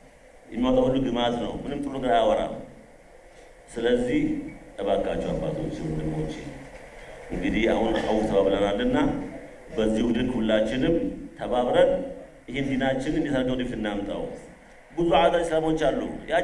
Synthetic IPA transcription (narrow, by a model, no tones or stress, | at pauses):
jɛ̰mːiawt̪ʼahulːuɡɨmaznə̰wmɨnɨmt̪ʼɨluɡɾajawɔɾa̰ | sɨləzːiht̪ʼəβaɡat͡ʃːɛwabːa̰t̪ʰut͡ʃːɪmud̪ɨnwot͡ʃːɪ | ʔɨŋɡɨd̪iha̰hunhawt̪ʰəβaβlənalːɨnːa | bəzːihud̪ɨɡhulːat͡ʃːɪnɨmt̪ʰəβaβɾən | ʔɨhɪnd̪inat͡ʃːɪnɨnd̪isəɾɡəwd̪ifɨnːamt̪ʼa̰w | bɨzuʕazasəlamot͡ʃːalːṵja